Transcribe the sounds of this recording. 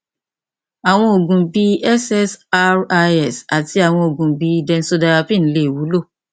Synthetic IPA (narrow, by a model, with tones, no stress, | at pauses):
a˨w̃ɔ̃˧o˨ɡũ˨bi˧ɛ˦sɛ˦sa˦a˧ɛ˨sa˨ti˧a˨w̃ɔ̃˧o˨ɡũ˨bi˧˦dɛ̃˧n̩˦so˧da˧a˧pĩ˦˨n̩˦le˦˨wu˨˦lo˦˨